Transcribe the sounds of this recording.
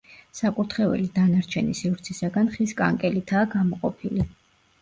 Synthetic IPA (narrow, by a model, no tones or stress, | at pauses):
sakʼuɾt̪ʰχɛvɛ̰lid̪anaɾt͡ʃʰɛnisivɾt̪sʰisaɡanχiskʼa̰ŋkʼɛlit̪ʰaːɡamɔqʼɔpʰili